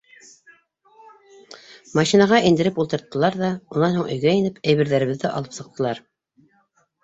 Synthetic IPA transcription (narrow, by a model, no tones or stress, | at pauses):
mɑʃinɑʁɑʔind̪ɘ̆ɾɘpulˠt̪ɤ̆ɾt̪ːɤ̆lˠɑɾðɑunɑnhuɴɵ̆jɡæinɘpæjβɘ̆ɾðæɾɘ̆βɘ̆ðːɘʔɑ̰lˠɤpsɤ̆q̚t̪ɤ̆lˠɑɾ